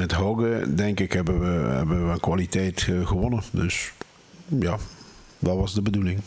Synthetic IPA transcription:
mɛtɦɔwɡədɛŋkɪkɦɛbəʋəɦɛ̰bənʋəənkʋalitɛjtɣəʋɔnədøs | jaː | dɑtʋɑzdəbədulɪŋ

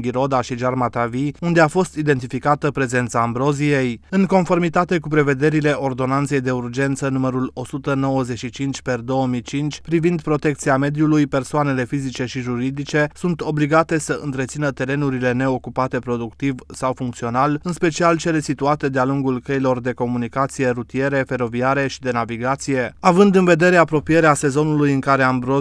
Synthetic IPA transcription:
ɡʲiɾo̞d̪aʃiʒarmat̪aviund̪e̞afo̞st̪id̪e̞nt̪ifikat̪əpɾe̞ze̞nt̪sambɾo̞zije̞jɨŋko̞nfo̞rmit̪at̪e̞k̬upɾe̞ve̞d̪e̞ɾile̞ʔo̞rd̪o̞nant̪se̞jd̪e̞urd͡ʒe̞nt̪sənuməɾulo̞sut̪əno̞wəzeʃit͡ʃint͡ʃʲperd̪o̞wəmijt͡ʃint͡ʃʲpɾivind̪pɾo̞t̪e̞k̚t̪siame̞d̪julujpe̞rsoane̞le̞fizit͡ʃe̞ʃiʒuɾid̪it͡ʃe̞sunt̪o̞bliɡat̪e̞səɨ̰nt̪ɾet̪sinət̪e̞ɾe̞nuɾile̞ne̞o̞kupat̪e̞pɾo̞d̪ukt̪ivsawfuŋkt̪sio̞nalɨnspe̞t͡ʃialt͡ʃe̞lesit̪uat̪e̞d̪ealuŋɡulkəilo̞rd̪e̞ko̞munikat̪sije̞ɾut̪ije̞ɾe̞fe̞ɾo̞viaɾe̞ʃid̪e̞naviɡat̪sije̞avɨnd̪ɨnve̞d̪e̞ɾe̞apɾo̞pije̞ɾease̞zo̞nulujɨŋkaɾe̞ambɾo

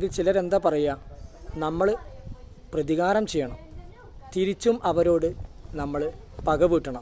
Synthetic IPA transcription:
ɡilt͡ɕilɐɾe̞nd̪ɐpɐrɐjanɐmːɐɭ | prɐðiɣaːɾɐmt͡ɕe̞jːɐɳɐm | t̪iɾit͡ɕːumʔɐʋɐɾo̞ːɽɨnɐmːɐɭ | pɐɣɐʋiːʈːɐɳɐm

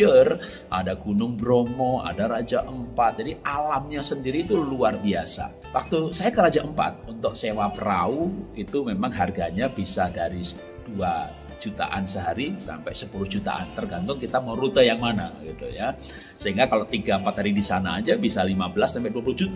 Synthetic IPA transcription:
ər | ʔa̰daɡunʊŋbɾomɔa̰daɾad͡ʒaʔəmpat̪̚d͡ʒadialamɲasəndiɾiːt̪uluarbiasa̰ | wak̚t̪usajakəɾad͡ʒaʔəmpa̰t̪̚unt̪ʊk̚sewap̚rauit̪umemaŋɦarɡaɲabisadaɾi | d̥ua | d͡ʒut̪a̰ʔa̰nsəɦaɾisa̰mpɛjsəpulʊhd͡ʒut̪a̰ʔant̪ərɡant̪ʊŋkit̪aməɾut̪əjaŋmana̰ɡit̪ṵja | səɦiŋɡakalot̪iɡaəmpat̪ɦaɾidisana̰ːd͡ʒabisalimabəlasːampɛduapulʊhd͡ʒut̪

